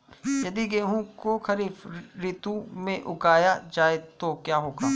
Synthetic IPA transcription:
jɐd̪iɡeːɦũkokɐɾiːfɾit̪ũmẽʔʊkaːjad͡ʒaːet̪okjaːɦoːɡaː

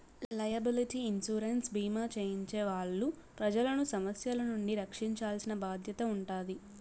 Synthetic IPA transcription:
llɐjɐbiliʈiːnsuːɾensbiːmaːt͡ʃeːjiɲt͡ʃeːʋaːɭːupɾɐd͡ʒɐlɐnusɐmɐsjɐlɐnuɳɖiɾɐkʂiɲt͡ʃaːlsinɐbaːd̪ʱjɐt̪ɐuɳʈaːd̪i

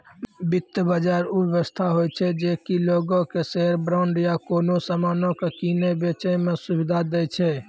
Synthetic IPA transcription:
bit̪ːəbad͡ʒaɾubjeʋəst̪ʰaɦojt͡ʃʰɛd͡ʒekiloɡõkeseɾbɾaʊɳɖjakonosamanõkekinebet͡ʃəmẽsubid̪ʱad̪ɛjt͡ʃʰɛ

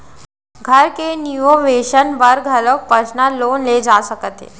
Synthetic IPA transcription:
ɡʱəɾkenioʋeɕənʋəɾɡʱələk̚pəsnalonled͡zasəkət̪ḛ

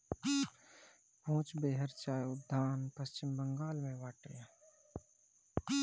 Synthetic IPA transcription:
ɦõːt͡ʃbeːɦəɾt͡ʃaːjʊb̚d̪ʱaːnpɐst͡ʃɪmbə̃ŋɡaːlmẽʋaːʈeː

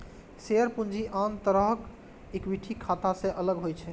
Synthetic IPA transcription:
seəɾpund͡ʒʱiʔant̪əɾəɦk | ekbiʈʰikʰːat̪asẽʔələɡɦojt͡ʃʰɛ

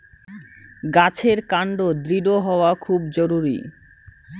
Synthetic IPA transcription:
ɡat͡ɕʰeɾkaɳɖod̪ɾiɖoɦɔoakʰubd͡ʑoɾuɾḭ

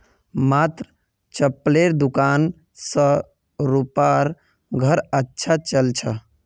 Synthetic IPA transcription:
mat̪ɾə | t͡ʃəpleɾd̪ukan | sə̃ | ɾupaɾ | ɡʱəɾətːʃʰat͡ʃəlt͡ʃʰə

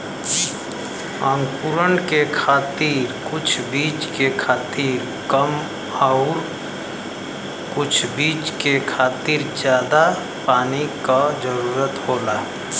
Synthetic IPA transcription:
ə̃ŋɡpuɾənkekʰaːt̪iːɾkʊt͡ʃʰbiːt͡ʃkekʰaːt̪iːɾ | kəm | aʊɾ | kʊt͡ʃʰbiːt͡ʃkekʰaːt̪iːɾd͡ʒjaːd̪a | paːnikad͡ʒəɾuːɾət̪ɦoːlaː

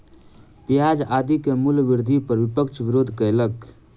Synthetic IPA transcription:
pijaːd͡ʒaːd̪ikemʊlʋɪɾd̪ʱipəɾʋɪpəkʃʋɪɾoːd̪ʱkələk

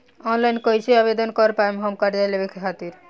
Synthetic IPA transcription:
ɔnlajnkʌjsʰeabed̪ɔnkɔɾpajmɦʌmkaɾd̪alebekʰkʰat̪iɾ

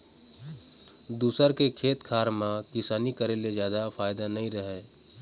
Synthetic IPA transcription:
d̪uːsəɾkekʰeːt̪kʰaːɾmãkɪsaːnikəɾeled͡ʒjaːd̪apʰaːjd̪anɐɦĩɾəɦeː

